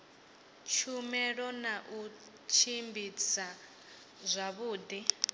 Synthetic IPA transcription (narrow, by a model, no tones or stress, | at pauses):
t͡ʃʰumɛɺɔnaʔu | t͡ʃʰimbit͡sa | zʷaβuːd̪i